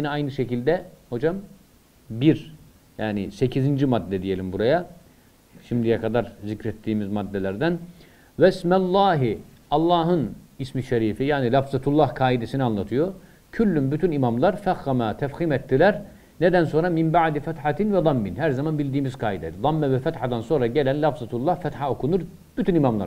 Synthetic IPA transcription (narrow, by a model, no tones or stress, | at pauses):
niajnɯʃecilʲd̪ɛho̞d͡ʒam | biɾ | jaːnise̞cʰizind͡ʒimad̪ːɛd̪ije̞lʲimbuɾaja | ʃimd̪ijɛkʰad̪aɾzicɾɛt̪ʰːiːmizmad̪ːelʲæɾd̪æn | væsmælˠːaːɦi | ɑlˠːɑːɦɯnismiʃeɾiːfijaːnilʲafzat̪ʰulˠːɑhkʰaːid̪esinianlˠat̪ʰɯjo | cʰylʲːymbyt̪ʰynimamlˠɑɾfæxːamat̪ʰæfxiːmɛt̪ʰːilʲæɾ | ned̪ænso̞nɾamimbaʕd̪ifæt̪ħat̪invɛd̪ˤɑmːinɦæɾzamanbilʲd̪iːmizkʰaːid̪ɛd̪d̪ˤɑmːɛvɛfæt̪ħad̪anso̞nɾaɟelʲænlʲafzat̪ʰulˠːɑhfæt̪ħao̞kʰunuɾ | b̥yt̪ʰynimamlˠa̰ɾ